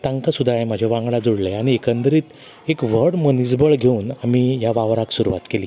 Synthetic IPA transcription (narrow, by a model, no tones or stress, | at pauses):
t̪ãŋkasud̪ʱajmad͡ʑʱjaʋãŋɡɭad͡zoɽleaɽ̃iekənd̪ɾiːt̪ | ekʋ̤əɽmənisbəɭɡʱeuːnamijaʋaʋɾaksuɾuʋa̰t̪keliː